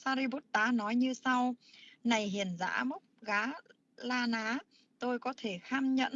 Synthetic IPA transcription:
saː˧ɾi˧ɓo˦˥t̚t̪aː˨˦nɔ˨˦jɲɨ˧sa˧wna˨˩jɦi˨˩ənza̰ː˧˥mə˦˥t̚ɣaː˨˦ | laː˧naː˨˦ | t̪o˧jkɔ˨˦t̪ʰe˧˩xaː˧mɲə̰˧˨n

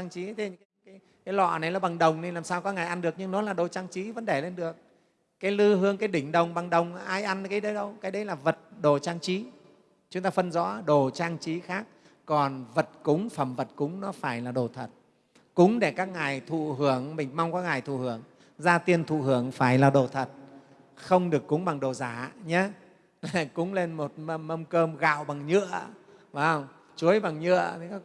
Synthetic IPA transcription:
ŋt͡ɕi˨˦t̪ʰi˨˦˧kaː˨˦j | kaː˨˦jlwa̰ː˧˨na˨˩jlaː˨˩ɓa˨˩ŋɗə˨˩wŋ͡mne˧nlaː˨˩msaː˧wkɔː˨˦ŋaː˨˩jʔa˧nɗɨ˨˩ək̚ɲɨ˧ŋnɔ˨˦laː˨˩ɗo˨˩t͡ɕaː˧ŋt͡ɕi˨˦və˧˥nɗe˧˩le˧nɗɨ˨˩ək̚ | kaː˨˦jlɨ˧ɦɨ˧əŋkaː˨˦jɗï˧˩ŋ̟ɗə˨˩wŋ͡mɓa˨˩ŋɗə˨˩wŋ͡mʔaː˧jʔa˧n˨ka˨˦jɗə˨˦jɗə˧wkaː˨˦jɗə˨˦jlaː˨˩və˨˩t̚ɗo˨˩t͡ɕaː˧ŋt͡ɕi˨˦ | t͡ɕʊ˨˦ŋ͡mt̪aː˧fə˧nzɔ̰˧˥ɗo˨˩t͡ɕaː˧ŋt͡ɕi˨˦xaː˦˥k̚ː | ɔ˨˩nvə˨˩t̚kʊ˨˦ŋ͡mfə˨˧˩mvə˨˩t̚kʊ˨˦ŋ͡mnɔ˨˦faː˧˩jlaː˨˩ɗo˨˩t̪ʰə˨˩t̚ | kʊ˨˦ŋ͡mɗe˧˩kaː˦˥k̚ŋaː˨˩jt̪ʰṵ˧˨ɦɨ˧˩əŋmï˨˩ŋ̟ma˧wŋ͡mkaː˦˥k̚ŋaː˨˩jt̪ʰṵ˧˨hɨ˨˧˩əŋ | zaː˧t̪i˧ənt̪ʰṵ˧˨hɨ˧˩əŋfaː˧˩jlaː˨˩ɗo˨˩t̪ʰə˨˩t̚ | xə˧wŋ͡mɗɨ˨˩əkːʊ˨˦ŋ͡mɓa˨˩ŋɗo˨˩zaː˧˩˧ɲaː˨˦ | la˨˩kʊ˨˦ŋ͡mle˧nmo˨˩t̚mə˧mə˧mkəː˧mɣa̰ː˧˨wɓa˨˩ŋɲɨ̰˧˨ə | vaː˨˦ŋ͡m | t͡ɕu˨˦əjɓa˨˩ŋɲɨ̰˧˨ət̪ʰi˨˦ka˦˥

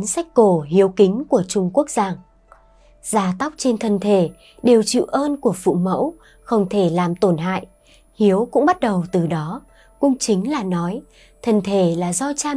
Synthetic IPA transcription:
nsa˦˥jk̟̚ko˧˩hi˨˦əwkï˨˦ŋ̟ku˧˩ət͡ɕʊ˧ŋ͡mku˦˥ək̚zaː˧ŋ | z̥aː˨˧˩t̪a˦˥wk͡p̚t͡ɕe˧nt̪ʰə˨˩nt̪ʰe˧˩ | ɗe˨˩wt͡ɕḭ˧˨wʔəː˧nku˧˩əfṵ˧˨mə̰˧˥w | xə˧wŋ͡mt̪ʰe˧˩laː˨˩mt̪o˧˩nɦa̰ː˧˨jʔ | hi˨˦əwkʊ̰˧˥ŋ͡mɓa˦˥t̚ɗə˨˩wt̪ɨ˨˩ɗɔ˨˦ | kʊ̰˧˥ŋ͡mt͡ɕï˨˦ŋ̟laː˨˩nɔ˨˦j | t̪ʰə˨˩nt̪ʰe˧˩laː˨˩zɔ˧t͡ɕaː˧

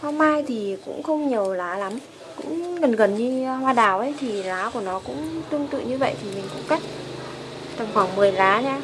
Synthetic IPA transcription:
hɔ˧mːaː˧jt̪ʰi˨˩kʊ̰˧˥ŋ͡mxə˧wŋ͡mɲi˨˩əwlaː˨˦la˨˦m | kʊ̰˧˥ŋ͡mɣə˨˩nɣə˨˩nɲɨ˧hwaː˧ɗaː˧˩wʔə˨˦jt̪ʰi˨˩laː˨˦ku˧˩ənɔ˨˦kʊ̰˧˥ŋ͡mt̪ɨ˧əŋt̪ɨ̰˧˨ɲɨ˧və̰˧˨jt̪ʰi˨˩mï˨˩ŋ̟kʊ̰˧˥ŋ͡mka˦˥jk̟̚ | t̪ə˨˩mxwaː˧˩ŋmɨ˨˩əjlaː˨˦ɲaː˧

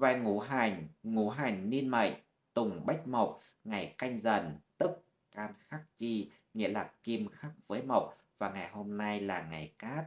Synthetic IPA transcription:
vaː˧˩jŋu˧˩ɦa˨˧˩ŋŋu˧˩˦ɦa˨˩jŋ̟ni˧nma̰˨˩˨j̚ | t̪ʊ˨˩ŋ͡mɓa˦˥jk̚ma˨˩wk͡p̚ | ŋa˨˩jka˧jŋ̟zə˨˩nt̪ɨ˦˥k̚ | kaː˧nxaː˦˥k̚t͡ɕi˧ | ŋḭ˧˥əlaː˨˩ki˧mxa˦˥k̚v̥əː˨˦jma˨˩wk͡p̚ | vaː˨˩ŋa˨˩jho˧mna˧jlaː˨˩ŋa˨˩jkaː˦˥t̚

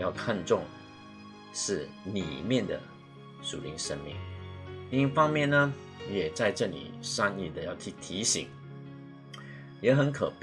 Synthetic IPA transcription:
jɑ˥˧ʊkʰa˥˧nʈ͡ʂʊ˥˧ŋ | ʂɻ̩˥˩ | nḭ˨˩mjɛ˥˩nd̪ə̰˩ | ʂṵ˨˩li˧˥ŋʂə˥nmḭ˥˩ŋli˥˧ŋi˥fɑ˥ŋmjɛ˥˨nnə˩ | jɛ˨˩t͡sa˥˧ɪʈ͡ʂɤ˥˩nḭ˨˩ʂa˥ni˥˩d̪ə˨˦jɑ˥˩ʊt̪ʰi˧˥˩t̪ʰi˧˥ɕḭ˨˥ŋ | jɛ˨˧˥xə˧˥nkʰə˨˩p

